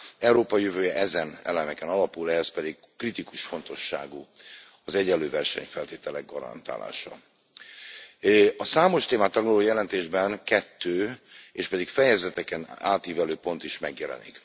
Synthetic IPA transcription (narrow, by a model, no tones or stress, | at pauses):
ɛwɾoːpɒjøvøːjɛʔɛzɛnɛ̰lɛmɛkɛnɒlɒpulɛɦɛspɛd̪iɡ | krit̪ikuʃfo̞nt̪o̞ʃːa̰ːɡu | ɒzɛɟɛlːøːvɛrʃɛ̰ɲfɛlt̪eːt̪ɛlɛɡ̚ɡɒɾɒ̰nt̪a̰ːla̰ːʃɒ̰ | ɒsaːmo̞ʃt̪eːmaːt̪ːɒɡlɒloːjɛlɛnt̪eːʒbɛnkɛt̪ːøːeːʃpɛd̪ikfɛjɛzɛt̪ɛkɛna̰ːt̪iːvɛløːpo̞nt̪iʃmɛɡjɛlɛ̰nḭk